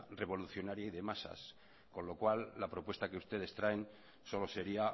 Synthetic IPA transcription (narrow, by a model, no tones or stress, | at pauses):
re̞βo̞luθjo̞naɾjaiðe̞masa̰s | ko̞nlo̞kwalːapɾo̞pwe̞st̪akeust̪e̞ð̞e̞st̪ɾaen | so̞lo̞se̞ɾia